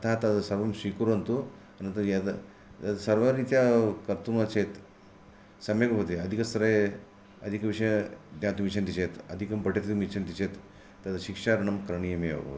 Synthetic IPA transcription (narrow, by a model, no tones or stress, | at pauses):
ɐt̪ʰaːt̪ɐt̪ɐsɐɾʋɐmʃikuɾɐnt̪u | ɐnɐnt̪ɐjɐ | ɐt̪ɐsɐɾʋɐɾit̪jakɐɾt̪umɐt͡ʃeːt̪ | sɐmjɐkɐpɐt̪iɐd̪ʱikɐst̪ɾɐj | ɐd̪ʱikɐʋiʂɐjɐd̪jaːt̪umit͡ʃʰɐnt̪it͡ʃeːt̪ɐ̰d̪ʱikɐmbɐʈet̪ʰit̪umit͡ʃʰɐnt̪it͡ʃet̪ː | ɐt̪ɐʃikʂaɾɐɳɐmkɾɐɳijɐmeɐʋɐ̰